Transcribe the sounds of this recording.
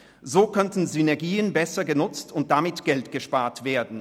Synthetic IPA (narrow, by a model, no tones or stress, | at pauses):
zoːkœntn̩zynɛɐɡiːənbɛsɐɡənʊt͡stʊnt̚d̥amɪtɡ̥ɛltɡ̥əʃpaːɐtv̥eːɐdn̩